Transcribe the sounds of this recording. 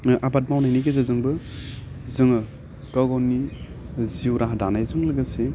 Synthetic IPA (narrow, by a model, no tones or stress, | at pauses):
ʔabat̚mawnajnijɡezazɯŋbɯ | zɯŋɯ | kaɡɔnːi | ziuwɾaɦadanajzɯŋlɯɡase